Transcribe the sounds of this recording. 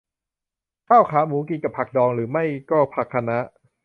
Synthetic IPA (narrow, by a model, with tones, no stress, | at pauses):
kʰaː˥˩wkʰaː˩˦muː˩˦ki˧nka˨˩pʰa˨˩k̚dɔː˧ŋɾɯː˩˦ma˥˩jkɔː˥˩pʰa˨˩kʰːa˧na˦˥ʔ